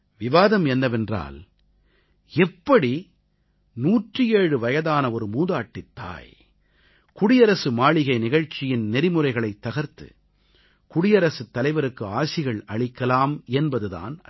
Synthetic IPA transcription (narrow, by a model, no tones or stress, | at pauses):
ʋɪʋaːðɐmɛnːɐʋɛndra̰ːl | ɛpːɐɽi | nuːʈrɯjeːɻɯʋɐjɐðaːnɐɔɾɯmuːðaːʈːɪt̪ʰːa̰ːj | kʊɽɪjɐɾɐsɯmaːɭɪɣɐɪnɪɣɐɻt͡ʃːɪjɪnnɛɾɪmɯrɐɪɣɐɭɐɪt̪ːɐɣɐɾt̪ːɯ̰ | kʊɽɪjɐɾɐsɯt̪ːɐlɐɪʋɐɾɯkːɯaːsɪɣɐɭɐɭɪkːɐlaːmɛnbɐðɯða̰ːn